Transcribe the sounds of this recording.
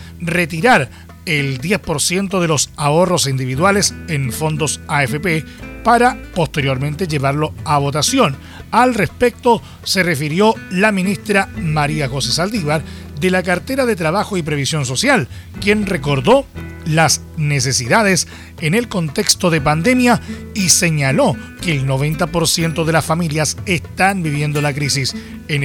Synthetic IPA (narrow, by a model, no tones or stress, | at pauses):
ret̪̬iɾaɾ | eld̪jespo̞ɾsje̞nt̪oð̞e̞losao̞ro̞sind̪iβiðwalesenfo̞nd̪o̞saefepe | paɾapo̞st̪e̞ɾjo̞ɾment̪eʝe̞βaɾlo̞aβ̞o̞t̪asjo̞n | alrespek̚t̪o̞ | serefiɾjo̞laminist̪ɾamaɾiaɣosesald̪iβaɾ | ðelakaɾt̪eɾaðet̪ɾaβaxoip̬ɾe̞βisjo̞ns̬o̞sjal | kje̞nrek̬o̞ɾðo̞ | las | nes̬e̞siðaðes | enelko̞nt̪e̞kst̪oðep̬and̪e̞mja | ise̞ɲalo | keːlno̞βe̞nt̪apo̞ɾsje̞nt̪oðelasfamiljasest̪anbiβje̞nd̪o̞lakɾisis | en